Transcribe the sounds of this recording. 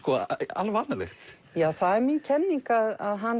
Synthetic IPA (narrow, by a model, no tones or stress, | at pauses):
kɔa̰lvanalɛ̰xt̪ | jaːθaðɛɾmincʰɛnːiŋkaðaðɦan